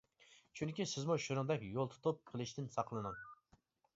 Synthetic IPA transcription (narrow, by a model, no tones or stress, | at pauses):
t͡ʃʰunkʲisɪzmuʃuɾɨŋd̪ɛkʲjolˠt̪ʰu̥t̪ʰup̚qʰəlˠɨʃt̪ɪnsɑqlˠɨnɨŋ